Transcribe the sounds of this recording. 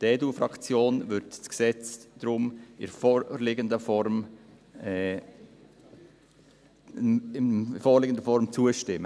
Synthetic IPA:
dɛːdufɾɑkt͡sjoːnvʏɾtsksɛt͡sd̪̥ɾʊmɪ̰ɾfɔlɪɡəndəfɔɾm | foːɾlɪɡəndəfɔɾmt͡suəʃtɪmːə

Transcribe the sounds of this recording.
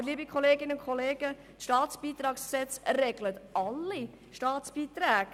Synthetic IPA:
liːəbikʰɔleːɡɪnəʊnkʰɔleːɡ̥ə | t̪ʃtɑːtsb̥iːt̪ɾɑːksksɛt͡srɛɡlət̪ʔɑlːi | ʃtɑːt̪sb̥iːt̪ɾæːɡ

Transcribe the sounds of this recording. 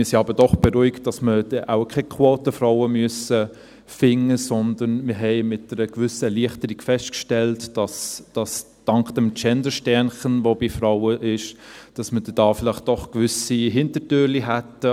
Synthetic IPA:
mɪsiɑbəd̥ɔχb̥eɾuɪkt̚d̥ɑsmədɛʔaʊkʰɛkʰwoːtəfɾaʊwəmyøəsə | fɪŋːəsɔnd̪ənmɪɦɛɪmɪt̚dɛɾəkvʏsəɛliəχtəɾiɡ̥fɛstkʃtɛltd̥ɑsd̥ɑs | d̥ɑŋkd̥ɛmt͡ʃɛndəʃtɛnχənʋobifɾaʊwəʔɪʃd̥ɑsməd̥ɛd̥ɑːfɪlɪχt̚d̥ɔχkvʏsiɦɪntətøːɾliɦætə

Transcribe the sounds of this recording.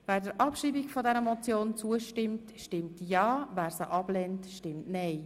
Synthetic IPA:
væːɾdəɾʔɑpʃiːbikfɔdɛɾəmɔt͡sjoːnt͡suəʃtɪmtʃtɪmtjɑːvæːɾsəʔɑb̥lɛntʃtɪmtnɛɪ

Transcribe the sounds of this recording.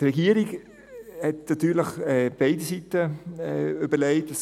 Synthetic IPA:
ɾɛɡiːəɾiɡ | hɛtnatyːləχɛb̥eɪdisitə | øbəɾleɪtəs

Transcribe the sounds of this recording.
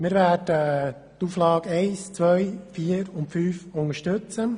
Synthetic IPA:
mɪɾʋæːdə | tuːflɑːɡɛɪst͡sʋœjfiːəɾʊntfyːfʊŋəʃtʉt͡sə

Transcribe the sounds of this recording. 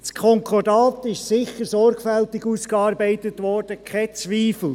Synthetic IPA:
skʰɔŋkʰɔrdɑːt̪ɪʃsɪχəɾsɔrɡfɛltɪɡuskɑːɾbɛɪt̪ətʋɔrd̥əkʰɛt͡sʋiːfl̩

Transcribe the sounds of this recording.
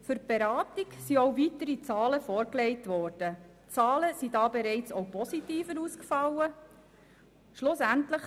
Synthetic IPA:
fʏɾb̥eɾɑːt̪iksiɔwvitəɾit͡sɑːləfɔːɾkleɪtʋɔːrd̥ə | t͡sɑːləsidɑːbeɾɛɪt͡sowpʰɔsitiːfəɾuːskfɑlːə | ʃlʊsæntləχ

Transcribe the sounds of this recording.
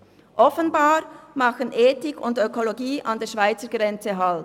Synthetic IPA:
ʔɔfənbaːɾmɑxənʔeːtɪkʰʊ̰ndøkoloɡiːʔɑndeːɐʃv̥aɪt͡səɡʁɛnt͡seɦɑl

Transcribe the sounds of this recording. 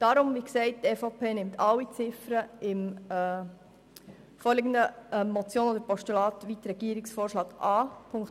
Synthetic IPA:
d̥ɑːɾʊmʋiːksɛɪt̚tɛːfopʰeːnɪmtʰɑlːit͡sɪfɾəɪmː | foːɾlɪɡəndəɛːɔt͡sjoːnoːd̪əɾpɔʃtulɑːt̪ʋitɾɛɡ̥iəɾɪksfoːrʃlɑːɡ̥ɑːpʰʊŋk

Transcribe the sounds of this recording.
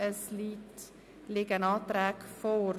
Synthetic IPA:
əsliːt | lɪɡənɑːt̪ɾɛːkfoɾ

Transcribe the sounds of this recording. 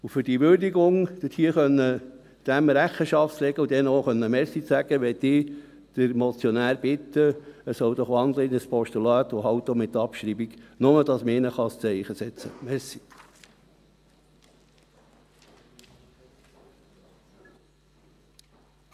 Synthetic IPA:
ufʏɾd̥iʋʏɾdiɡʊŋd̥̪əthiəχœnːə | d̪̥æmɾæχːəʃɑftt͡slɛɡəud̪ɛnoχœnːəmɛsit͡sæɡ̥əʋɛt̪ɪ | d̪̥əɾmɔt͡sjɔnæːɾb̥ɪt̪ːəəsɔwd̪ɔχʋɑnd̪ləɪnəspʰɔʃt̪ulɑːt̪uɦɑwt̪ːomɪt̪ɑpʃɾibiɡnʊməd̥̪ɑsməɪnəχɑst͡sɛɪχəsɛt͡səmɛsi̥

